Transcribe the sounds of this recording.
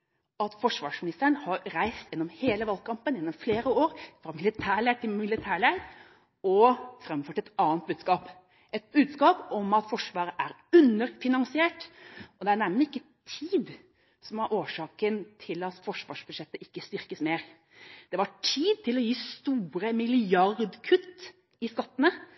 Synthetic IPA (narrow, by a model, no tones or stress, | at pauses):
ɑt̪fɔʂʋɑːʂmɪnɪst̪əɾəɳhɑɾɾæɪst̪jɛnːɔmheːləʋɑlkʰɑmpənjɛnːɔmfleːɾəoːɾfɾɑmɪlɪt̪ʰæːɭæʈʰɪmɪlɪt̪ʰæːɭæɪ | ɔfɾɛmfœʈɛt̪ɑːənt̪̚bʉːd̪skɑːp | ɛt̪̚bʉːd̪skɑːpɔmɑt̪fɔʂʋɑːɾəʔæɾ | ʉnəɾfɪnɑnsɪeːʈʔɔd̪ɛæɳɛmnɪkːət̪ʰiːd̪ | sɔmɑɾʔoːʂɑːkənt̪ʰɪlɑt̪fɔʂʋɑ̰ːʂbʉd̪ʂɛt̪ːəʔɪkːəst̪ʏɾkəsmeːɾ | d̪̥ɛʋɑʈʰiːd̪̚t̪ʰɪlɔjiːst̪uːɾəmɪlɪɑɾd̪kʰʉt̪ː | ɪskɑt̪ːənə